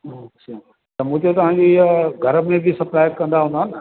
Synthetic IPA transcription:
ɦosi | t̪ɐmũːt̪et̪ɐʋ̤ãɲ̆d͡ʑoɪɦəɡʱɐɾə̆mẽbʱɪsɐplaːɪkɐ̃nd̪aɦũnd̪aːn

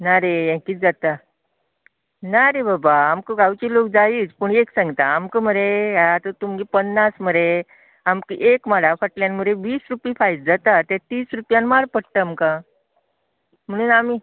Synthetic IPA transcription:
naɾejẽkiːd͡zat̪a | naɾebabaːmkəɡawt͡ɕilok̚d͡zaiːt͡spəɳeksãŋɡt̪aːmkəm̤əɾeat̪ət̪umɡipənːasməɾe | amkḭʔekmaɭafəʈljanmuɾeʋiːsɾupifait̚d͡zat̪at̪ɛt̪iːsɾupjãnmaɽpəɽt̪əːmkã | m̤əɽ̃uːnami

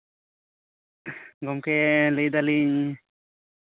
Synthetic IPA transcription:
ɡɔmkeləjd̪aliɲ

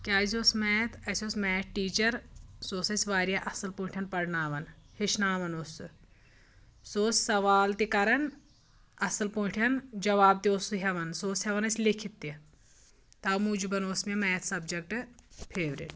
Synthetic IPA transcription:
kʲaːzoːsmɛːt̪ʰɐsʲoːsmɛːʈʈiːt͡ʃɐɾsoːsɐsʋaːɾijɐʔɐsɐlpõːʈʰɐnpɐɾnaːʋɐnhiʃnaːʋɐnoːsu | soːssɐʋaːlt̪ikɐɾɐn | ɐsɐlpõːʈʰɐnd͡ʒɐʋaːb̚t̪ioːsuɦʲɐʋɐnsoːsɦɐʋɐnɐsʲlikʰit̪ːi | t̪ɐːmuːd͡ʒibɐnoːsmemɛːɐt̪ʰsɐbd͡ʒɐk̚ʈɨpʰeːʋɾḭʈ

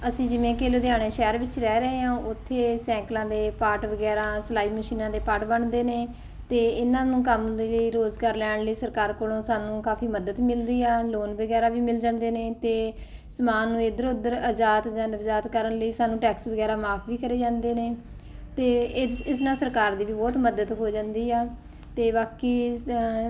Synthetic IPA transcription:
əsĩːd͡ʒɪmẽːkeːloːd̪ɪjaːɽ̃eːʃɛːɾʋɪt͡ʃɾɛːɾəɦeːɦãːʔʊt̪ʰːeːsɛ̃ːŋklãːd̪eːpaːʈʋəɡɛːɾãːslaːiːməʃiːnãːd̪eːpaːʈbəɳd̪eːneː | t̪eːɪnãːnũːkəmd̪eːləiːɾoːzɡaːɾlɛːɽləiːsəɾkaːɾkoːlõːsaːnũːkaːpʰiːməd̪əd̪mɪld̪iːɛːloːnbəɡɛːɾaːʋiːmɪld͡ʒãːnd̪eːneːt̪eː | səmaːnːũːeːd̪əɾʊd̪əɾəd͡ʒaːt̪d͡ʒãːnəd͡ʒaːt̪kəɾəɳləiːsaːnũːʈɛːksʋəɡɛːɾãːmaːpʰʋiːkəɾeːd͡ʒãːnd̪eːneː | t̪eːɪsnãːsəɾkaːɾd̪iːʋiːbɔːt̪məd̪əd̪ɦoːd͡ʒãːnd̪iːɛː | t̪eːʋaːkiː

